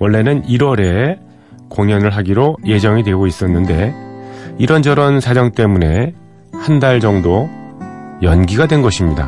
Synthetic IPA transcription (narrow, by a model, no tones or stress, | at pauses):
wʌɭːe̞nɯniɾwʌɾe̞ | koŋjʌnɯɭɦaɡiɾoje̞d͡ʑʌŋidwe̞ɡois͈ʌnːɯnde̞ | iɾʌnd͡ʑʌɾʌnsʰad͡ʑʌŋt͈e̞mune̞ | handaɭd͡ʑʌŋdo | jʌnɡiɡadwe̞nɡʌɕʰimɲida̰